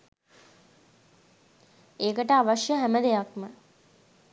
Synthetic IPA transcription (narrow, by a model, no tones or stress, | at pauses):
eːkəʈəaʋaʂjəɦæməd̪ejakmə